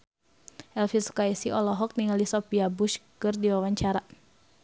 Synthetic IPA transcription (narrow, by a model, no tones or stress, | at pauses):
ʔɛlfisu̥kaisiʔɔlɔɦɔk̚niŋalisɔpiabuʃkɨrdiwawaɲt͡ʃaɾa